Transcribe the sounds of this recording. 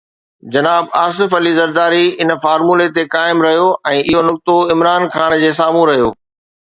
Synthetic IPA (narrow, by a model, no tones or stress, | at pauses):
d͡ʑɐnaːbaːsɪfɐlizɐɾd̪aːɾiɪn̆faːɾmuːlet̪ekaːɪmɾɐɦijoʔɛ̃ːʔɪɦonʊk̚t̪oɪmɾaːnkaːnd͡ʑeːs̬aːmũɾɐɦijo̰ː